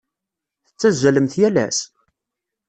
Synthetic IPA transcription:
θət͡sːæzːæləmθjælæs

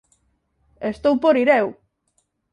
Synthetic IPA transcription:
est̪owpoɾiɾew

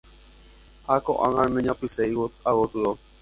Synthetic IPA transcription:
hako̰ʔãŋãnẽɲãpɨseiwawot̪ɨɾo

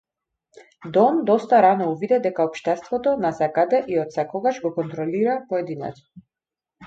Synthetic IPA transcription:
d̪ɔmd̪ɔst̪aɾanɔuvid̪ɛd̪ɛkaɔpʃt̪ɛst̪vɔt̪ɔnasɛkad̪ɛʔiɔt̪sɛkɔɡaʃɡɔkɔnt̪ɾɔliɾapɔɛd̪inɛ̰t̪ɔ̥

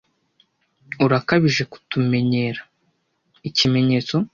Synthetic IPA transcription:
uɾakaβiʒe̞ku̥tume̞ɲe̞ːɾḁ | icime̞ɲe̞ːt͡so̞

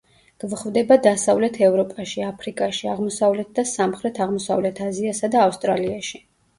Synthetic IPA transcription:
ɡ̥vχvd̪ɛbad̪asavlɛt̪ʰɛvɾɔpʼaʃiapʰɾikʼaʃiaʁmɔsavlɛt̪̚ʰd̪asamχɾɛt̪ʰaʁmɔsavlɛt̪ʰaziasad̪aːfst̪ʼɾaliaʃi

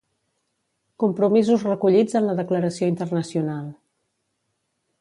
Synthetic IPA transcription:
kumpɾumizuzrəkuʎid͡zənləðəkləɾəsioint̪ərnəsiunalˠ

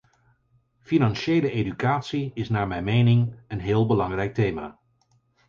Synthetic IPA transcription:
finɑnʃejləejdykaːtsiɪsnaːɹmɛjmejnɪŋənɦɪːlˠbəlɑŋrɛjk̚tejma̰ː

